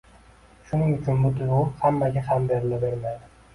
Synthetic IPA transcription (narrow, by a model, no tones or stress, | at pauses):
ʃʊnɪŋʊt͡ʃʰʊnbʊt̪ʰʊlʊhamːaɡʲahambeɾɪlɪbeɾmajd̪ɪ